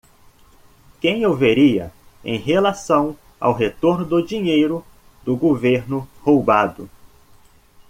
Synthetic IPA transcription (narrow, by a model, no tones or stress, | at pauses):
kẽj̃owveɾiɐ̰ḛ̃j̃ɦelasɐ̃w̃ | a̰wɦet̪oɾnʊd̪ʊd͡ʒiɲejɾʊ | d̪ʊɡoveɾnʊhowbad̪ʊ